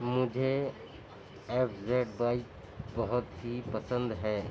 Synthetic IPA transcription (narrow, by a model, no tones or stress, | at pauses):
mʊd͡ʒʱe | epʰzeʈbaɪk̚ | bɔɦʊt̪ɦipəsə̃nd̪ɦɛ